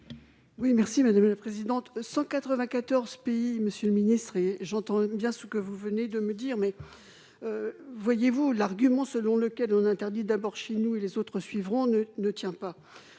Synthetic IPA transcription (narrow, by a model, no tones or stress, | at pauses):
wimɛʁsimad̪amlapχezid̪ɑ̃t̪sɑ̃kat̪χəvɛ̃kat̪ɔʁz̥peiməsjøləminist̪χeʒɑ̃t̪ɑ̃bjɛ̃səkəvuvəned̪əməd̪iʁmɛ | øvwajevulaʁɡʲymɑ̃səlɔ̃ləkʲɛlɔ̃nɛ̃t̪ɛʁd̪id̪abɔʁʃenuelezot̪χəsɥivʁɔ̃nənət̪jɛ̃pa